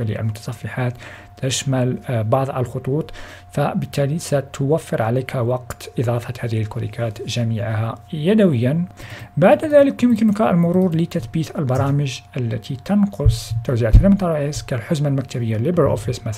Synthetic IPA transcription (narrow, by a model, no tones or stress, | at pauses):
lḭʔə̰lmʊt̪ɑ̥sˤɑfːɑħat̪ː | əʃmælbɑʕðˤʔəlxʊt̪ˤuːt̪ˤ | fæbət̪ʰːælisæt̪ʰʊwæfːəɾʕalækhæwɑqt̪ʔɨd̪ˤɑfɑt̪hæːd̪əhəlkʊɾḭkʰæt̪ʒæmiʕhæjæd̪æwəjːanbaʕd̪ðæləkjʊmkənkæəlmʊɾuɾlət̪æt̪biːt̪əlbɑɾˤɑməʒʔælːæ̰t̪ʰit̪ɑnqʊsˤt̪ːuwziʕat̪d̪imnt̪ˤːɑɾˤɑʕiskælħʊzmalmæk̚t̪æbəjːalːibəɾʔo̰fəsmæθ